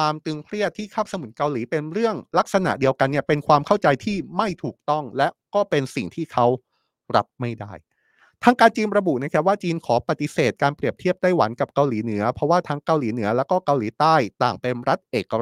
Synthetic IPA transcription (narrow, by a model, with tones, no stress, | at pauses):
waː˧mt̪ɯ˧ŋkʰɾi˥˩ət̪ʰːiː˥˩kʰaː˥˩p̚sa˧mu˩˦n̚ka˧wliː˩˦pe˧nɾɯ˥˩əŋla˦˥k̚sa˧na̰˨˩ʔdi˧əwka˧nːi˥˩ɐpe˧nkʰwaː˧mkʰa˥˩wt͡ɕa˧jt̪ʰiː˥˩ma˥˩jt̪ʰuː˨˩k̚t̪ɔ˥˩ŋlɛ˦˥ʔkɔː˥˩pe˧nsi˨˩ŋt̪ʰiː˥˩kʰa˦˥w | ɾa˦˥p̚ma˥˩jdaː˥˩j | t̪ʰaː˦˥ŋkaː˧nt͡ɕiː˧nɾa˧bu˨˩ʔna˦˥˩kʰa˦˥waː˥˩t͡ɕiː˧nkʰɔː˩˦pa˨˩t̪i˧˦seː˨˩t̪̚kaː˧npɾi˨˩əp̚t̪ʰi˥˩əp̚t̪aː˥˩jwa̰˩˦nka˨˩p̚ka˧wliː˩˦nɯ˩˦ɐpʰɾɔ˦˥waː˥˩t̪ʰaː˦˥ŋka˧wliː˩˦nɯ˩˦ɐlɛː˦˥wkɔː˥˩ka˧wliː˨˩˦t̪aː˥˩jt̪aː˨˩ŋpe˧nɾa˦˥t̪̚ʔeː˨˩kːa˧